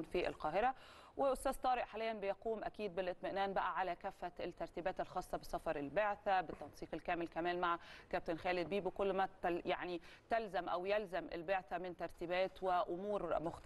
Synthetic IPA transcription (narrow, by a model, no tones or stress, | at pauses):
nfiʔɪ̰lqɑːɦɪɾæ | wɪʔʊst̪æːz̥t̪ˤɑːɾɪʔħalijːænbɪjɑquːmʔækiːd̪̚bɪlʔɪt̪̚ˤmɪʔnæːnbæʔæʕalækæːfːæt̪ːɑɾˤt̪iːbæːt̪elxɑːsˤːɑbɪsɑfɑɾˤɪlbeʕθæbɪt̪ːɑnsiːqelkæːmɪlkæmæːnmaʕakæp̚t̪enxæːlɪd̪̚biːbkʊlːmæt̪jaʕnit̪ælzæmʔæwjælzæmʔɪ̰lbeʕθæmɪnt̪ɑɾˤt̪iːbæːt̪wɪʔʊmuːɾmʊxt̪